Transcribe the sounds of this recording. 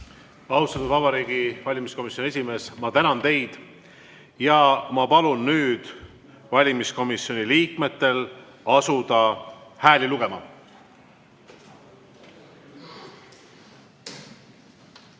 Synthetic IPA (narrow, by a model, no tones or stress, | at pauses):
ɑust̪ɑt̪ud̪vɑbɑɾiːɡ̥ivɑlʲimisko̞misːjonie̞sime̞ːsmɑt̪ænɑnt̪e̞jd̪̥ | jɑmɑpɑlunːyːd̪̥ | vɑlʲimisko̞misjo̞niliːkme̞t̪ːˑe̞l | ɑsud̪̥ɑhæːliluɡ̥e̞mɑ̰